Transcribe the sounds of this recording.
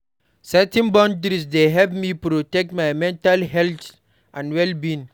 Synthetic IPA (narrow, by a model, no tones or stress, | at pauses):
sɛtɛ̃nbɔ̃ndɾis̬deɦɛlp̚mipɾotɛk̚tmajmɛ̃ntalɦɛlt | ʔãnwɛlbĩn